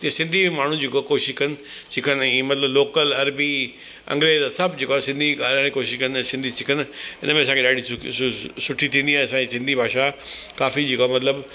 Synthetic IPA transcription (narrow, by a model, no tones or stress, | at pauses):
t̪isɪ̃nd̪ʱimaːɳ̤ũd͡ʑikokoːʃɪʃkɐnɪ̆t͡ɕɪkʰənimɐt̪ləbloːkəlɐɾbi | ɐ̰̃ŋɡɾeːzsɐbd͡ʑekoasɪ̃nd̪ʱiaːlãikoːʃɪʃkɐñsɪ̃nd̪ʱisɪkʰənɪ̰nəmẽɐsãːkʰeɗaːɖ̤ʱi | sʊʈʰit̪ʰĩːnd̪iãːɐsãisɪ̃nd̪ʱibʱaːʃakaːfid͡ʑekoamɐt̪ləb